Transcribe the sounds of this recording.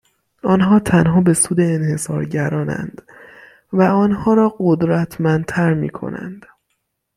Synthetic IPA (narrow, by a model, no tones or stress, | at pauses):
ɒːnɦɒːt̪ʰænɦɒːbe̞suːd̪e̞ːnhe̞sɒ̰ːɾɟæɾɒːnæ̰nd̪̥ | væɒːnhɒːɾɒːɢod̪ɾæt̪ʰmænd̪̚t̪ʰæɾmḭːkʰo̞̰næ̰nd̪̥